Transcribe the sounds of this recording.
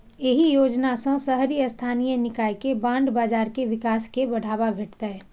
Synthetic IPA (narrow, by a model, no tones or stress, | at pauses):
eɦijoːd͡ʒnasõsəɦɾijəst̪ʰaːnijenɪkaːikebãːɳɖbaːd͡ʒaːɾkeʋɪkaːskebəɽ̤aːbabʱeːʈt̪aɛ